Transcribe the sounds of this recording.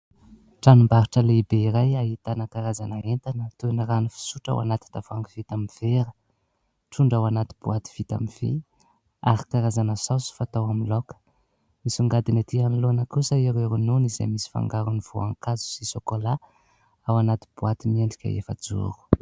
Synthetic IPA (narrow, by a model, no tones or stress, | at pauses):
ʈ͡ʂanumbaɾiʈ͡ʂəleibeiɾajaɦit̪anəkaɾazanəent̪anət̪unəranifi̥suʈ͡ʂa̰wa̰nat̪i̥t̪avaŋɡiv̥it̪amiv̥eɾə | ʈ͡ʂuɳɖ͡ʐawanat̪i̥b̥uat̪i̥v̥it̪a̰miv̥ḛ | a̰ɾikaɾazanəsawsu̥fat̪awamilokə̥ | misuŋɡad̪inat̪ianlonəkusaeɾeɾununizḛmisi̥fa̰ŋɡaɾuniv̥oa̰ŋkazu̥sisokola | awanat̪i̥b̥uat̪imieɳɖ͡ʐikʲə̰ḛfə̰d͡zṵɾu̥